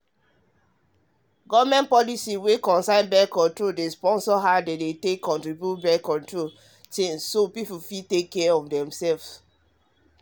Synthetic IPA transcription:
ɡɔvmɛ̃nt̚pɔlisiwekɔ̃nsãɪ̃nbɛkɔ̃ntɹoldespɔ̃nsɔɦadedetekːɔ̃ntɹibjutbɛkɔ̃ntɹol | t͡ʃẽnssopipufitekːɛɔ̃ndɛ̃msɛlfs

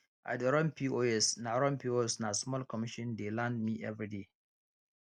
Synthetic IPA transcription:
ʔa̰dəɾɔ̃npʰioɛsnaɾɔ̃npʰioɛsnasmɔlkɔmiʃɔ̃ndelãndmiʔɛvɹide

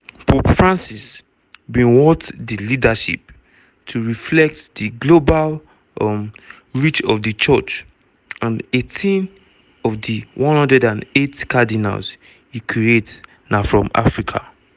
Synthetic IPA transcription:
pʰopfɹãnsis | bĩnwɔtdilidaʃḭp | tʰuɹiflɛk̚tdiɡlobal | m | ɹit͡ʃɔvdit͡ʃɔt͡ʃ | ãnetʰĩn | ɔvdiwʔɔ̃nhɔ̃ndɹɛdãnetkʰadina̰ls | jikʰɹiet | nafɹɔ̰̃ma̰fɹikʰa̰

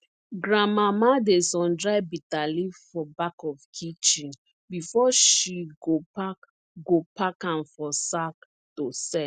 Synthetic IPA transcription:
ɡɹãmamadesɔ̃ndɹaɪbitalifɔbakɔfkʰit͡ʃĩn | bifɔʃiɡopak | ɡopakãnfɔsak | tosɛ

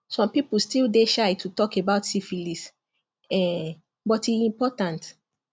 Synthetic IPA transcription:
sɔ̃mpiplstildeʃajtʰutɔkebaʊtsifilis | ɛ | bɔtiĩmpɔtãnt

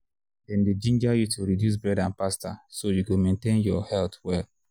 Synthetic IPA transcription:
dɛ̃nded͡ʒĩnd͡ʒajutʰuɹidjus̬bɛdãnpastasojukomẽntẽnjɔhɛltwɛl

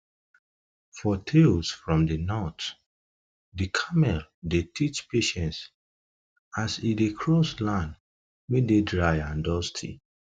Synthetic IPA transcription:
fɔtʰelsfɹɔ̃mdənɔt | dikʰamɛldetʰit͡ʃpʰeʃɛ̃nts | asidekʰɹɔslãnd | wɛdedɹajãndɔstʰḭ

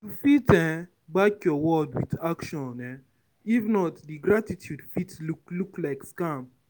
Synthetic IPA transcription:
tufitɛ̃ | bakɔwɔdwḭðakʃɔ̃nɛ | ifnɔtdiɡɾatitʰjudfitlukluklaɪkskam

